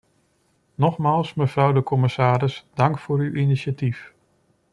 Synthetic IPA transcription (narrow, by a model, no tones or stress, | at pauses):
nɔχmaːlˠsməv̥rʌwdəkɔmɪsaːɾɪsdɑŋkfʊːɾyʔiniʃatif